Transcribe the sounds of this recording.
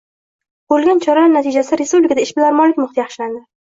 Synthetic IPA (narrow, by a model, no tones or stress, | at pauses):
bolˠɡʲant͡ʃʰɒɾaanat̪ʰid͡ʒasaɾespublɪkʰad̪aɪʃbɪlaɾmɒlɪkʲmʊχt̪ɪjɑχʃɪland̪ɪ